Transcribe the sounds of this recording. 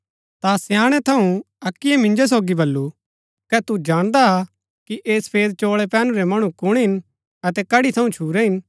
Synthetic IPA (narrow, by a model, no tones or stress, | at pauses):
t̪asɛjaːɽ̃ɛt̪ʰɐũ | ɐkːɪɛmɪ̃ɲd͡ʒos̬oːɡibɐlːu | kɛt̪ud͡ʒaːɽ̃d̪aa | kiʔeːsɐ̥pʰeːd̪̚t͡ʃoːɭɛpɛːnũɾɛmɐɽ̃ũkʊɽ̃ɦɪn | ɐt̪ɛkɐɽit̪ʰɐũt͡ʃʰuːɾɛɦɪn